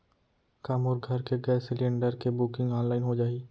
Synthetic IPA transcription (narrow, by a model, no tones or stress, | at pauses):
kaːmʊɾɡʱɐɾkeɡɛːsɪlẽɳɖəɾkebʊkɪ̃ŋɡaːnlaːɪnɦod͡ʒaːi